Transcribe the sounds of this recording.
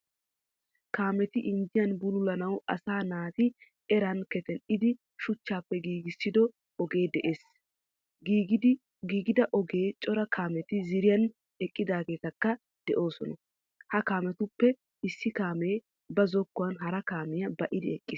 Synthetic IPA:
kaːmɛt̪ɪʔɪnd͡ʒɪjɐnbʊlʊlɐnɐwɐ̰saːnaːt̪ɪ | ɛɾɐnkɛt̪ɛnɪd̪ɪ | ʃʊt͡ʃːaːpːɛɡiːɡɪsːɪd̪ɔ | ɔɡe̞ːd̪ɛʔe̞ːs | ɡː | ɡiːɡɪd̪ɐʔɔɡe̞ːt͡ʃʼɔɾɐkʰaːmɛt̪ɪzɪɾɪjɐn | ɛkʼːɪd̪aːɡe̞ːt̪ɐkːɐ | d̪̥ɛʔo̞ːsɔnɐ | hɐkaːmɛt̪ʊpːɛ | ɪsːɪkaːmeː | bɐzɔkːʊwɐnɦɐɾɐkaːmɪjɐbɐʔɪd̪ɪɛkʼːɪs

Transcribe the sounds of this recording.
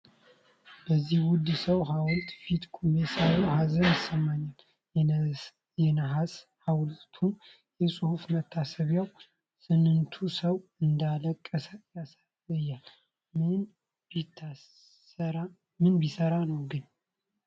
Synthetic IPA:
bəzːihwʊd̪səwɦawɔlt̪ʼfit̪kʰʼumbesajohazənəsəmːaɲːal | jɛnəɦashawlt̪ʰun | jɛsʼuhufmət̪ʰːasəβjaw | sɨnːɨnt̪ʰusəwɨnd̪aləkʼːəsəjas | ɨjːal | ɨ | mɨnbisəɾanəwɡɨn

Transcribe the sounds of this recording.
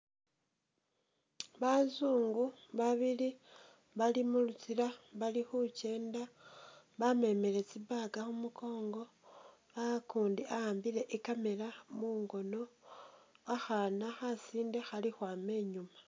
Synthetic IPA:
βazuːŋɡuβaβili | βalimulut͡siɾaβalixuce̞ːnda | βame̞me̞ɾe̞t͡siβaɡaxumuko̞ːŋɡo̞ | βaakuːndiahaːmbiɾe̞ʔikame̞lamuŋɡo̞no̞ | axanaxasiːnde̞xalixwaːme̞ːɲuma

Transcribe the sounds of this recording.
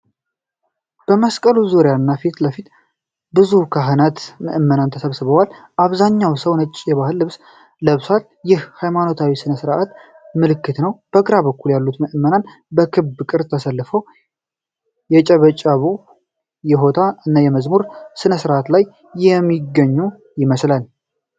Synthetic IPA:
b̥əməskʼəluzoɾjanːafit̪ləfit̪ | bɨzukʰaɦɨnat̪məʔmːənant̪ʰəsəβsɨβəwal | ʔaβzaɲːawsəwnət͡ʃʼːjɛβaɦɨlːɨβs | ləβsal | jɪhhajmano̞t̪ʰawisɨnəsɨɾʔat̪ | mɨlɨkːɨt̪nəwb̥əkʼɨɾaβbəkːuljalːut̪mɨʔɨmːənan | bəkʰɨbːkʼɨɾt̪ʰəsəlːɨfəw | jɛt͡ʃʼəβət͡ʃʼaβu | jɛɦo̞t̪ʰaɨnːajɛməzmuɾsɨnəsɨɾʔat̪lajː | ɛmːiɡəɲːu | jɪməslal

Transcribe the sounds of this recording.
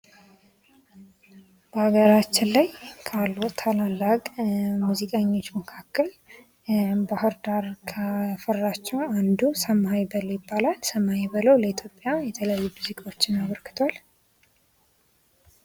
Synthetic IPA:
b̥əhaɡəɾat͡ʃːɪnlajkʰalːot̪ʰalalːakʼmuzikʼaɲːo̞t͡ʃːməkʰakːəl | baɦɨɾd̪aɾkʰəfərːat͡ʃːɛwand̪usəmɦajbələwjɪbːalalsəmːahajbələwləit̪ʰjo̞pʼjajɛt̪ʰələjajːumuzikʼawot͡ʃːɪnaβəɾkɨ̥t̪ʰwal

